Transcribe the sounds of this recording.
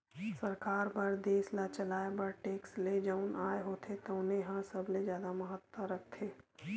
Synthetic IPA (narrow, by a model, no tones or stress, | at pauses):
səɾkaːɾpɐɾd̪eːslat͡ʃəlaːebɐɾʈeːksled͡ʒanaːeɦoːt̪ʰet̪oʊnɦẽɦə̃səblezjaːd̪aməɦət̪wəɾək̚ʰt̪ʰeː